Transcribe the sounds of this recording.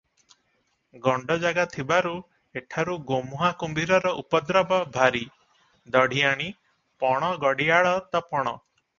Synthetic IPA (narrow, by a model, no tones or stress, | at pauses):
ɡɔɳɖɔd͡ʒaɡat̪ʰibaɾu | eʈʰaɾuɡomuɦakumbiɾɔɾɔʔupɔd̪ɾɔbɔbʱaɾi | d̪ɔɽ̤ijaɽ̃i | pɔɽ̃ɔɡɔɽiaɭɔt̪ɔpɔɽ̃ɔ